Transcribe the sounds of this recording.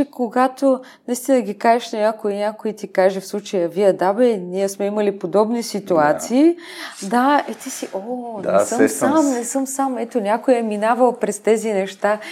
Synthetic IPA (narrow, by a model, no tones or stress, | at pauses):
ɛkoɡat̪onɐist̪inəɡʲikaʒɛʃnɐnʲakoinʲakoit̪ikaʒɛfslˠut͡ʃəjɐviəd̪abɛniɛsmɛimɐlipod̪ɔbnisit̪uat̪siː | d̪aɛt̪isiʔonɛsəmsamnɛsɤmsamɛt̪onʲakojɛminavɐlˠpɾɛst̪ɛzinɛʃt̪a